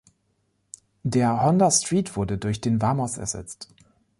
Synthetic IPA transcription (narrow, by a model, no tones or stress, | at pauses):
deːɐhɔndɐstʁ̥iːtv̥ʊɐdədʊɐçd̥eːnvaːmɔsɛ̰ɐz̥ɛ̰t͡st